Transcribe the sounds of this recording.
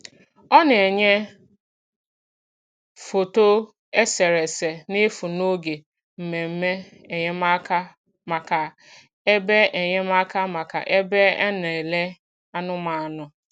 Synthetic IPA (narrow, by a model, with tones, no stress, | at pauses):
ɔ˦n˨e˨ɲe˦ | fo˨to˦ | e˦se˨ɾe˨se˨ne˦fu˨no˦ɡe˨ | m̩˨me˨m̩˦me˦ | e˨ɲe˦ma˦ka˦ | ma˨ka˨ | e˦be˦e˨ɲe˦ma˦ka˦ma˨ka̰˨ʔe˦be˦e˦ne˨le˦ | a˦nʊ˦ma˨a˨nʊ˨